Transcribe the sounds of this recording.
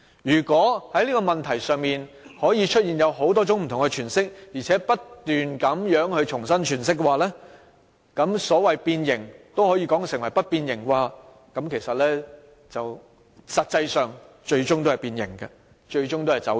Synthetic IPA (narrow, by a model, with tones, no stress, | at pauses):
jyː˨˩kwɔː˨˥hɐ˨˥jliː˥kɔ˧mɐ˨nt̪ʰɐ˨˩jsœː˨ŋmiː˨n | hɔː˨˥jiː˨˧t͡ʃʰɵ˥t̚jiː˨˩njɐ˨˧wɦo˨˥wt̪ɔː˥t͡sʊ˨˥ŋm̩˨t̪ʰʊ˨ŋkɛ˧t͡ʃʰyː˨˩nsɪ˥k̚jiː˨˩t͡sʰɛː˨˥pɐ˥tt̪yː˨nkɐ˨˧˥mjœː˨˥ŋhɵ˧ɥt͡ʃʰʊ˨˩ŋsɐ˥nt͡ʃʰyː˨˩nsɪ˥k̚ːɛ˧waː˨˧lɛː˥ | kɐ˨˧˥msɔː˨˥wɐ˨jpiː˧njɪ˨˩ŋt̪o˥whɔː˨˥jiː˧kɔː˨˥ŋsɪ˨˩ŋwɐ˨˩jpɐ˥t̚piː˧njɪ˨˩ŋkwaː˧ | kɐ˨˧˥mkʰe˨˩jsɐ˨t̚lɛː˥ | t͡sɐ˨˩w | sɐ˨t̚t͡sɐ˧jsœː˨˩ŋ | t͡ʃɵ˧ɥt͡ʃʊ˥ŋt̪o˥ɐ˨jpiː˧njɪ̰˨˩ŋkɐ˧ | t͡ʃɵ˧ɥt͡ʃʊ˥ŋt̪o˥hɐ˨˩jt͡sɐ̰˨˥